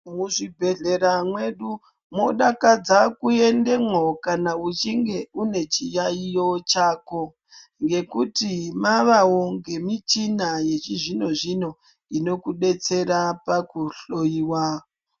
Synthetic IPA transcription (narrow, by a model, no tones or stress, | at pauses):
muʐibʱe̞ɮe̞ɾamwe̞ɗu | mo̞ɗakad͡zakue̞nde̞mwokanaut͡ʃiŋɡe̞une̞t͡ʃijaijo̞t͡ʃaːko | ŋɡe̞kutimaʋawoŋɡe̞mit͡ʃinaje̞t͡ʃiʐino̞ʐino̞ | ino̞kuɗe̞t͡se̞ɾapakuɬo̞jiwa